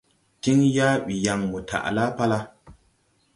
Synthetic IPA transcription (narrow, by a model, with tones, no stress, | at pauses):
ti˦ŋja˦ɓi˨ja˨ŋmu˨tʰa̰˨ʔla˦pa˦la˦